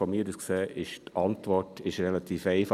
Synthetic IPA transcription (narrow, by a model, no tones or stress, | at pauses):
ɔmiːdəskseːʔɪʃtʔɑntʋɔtɪʃɾɛlɑtʰiːfɛɪf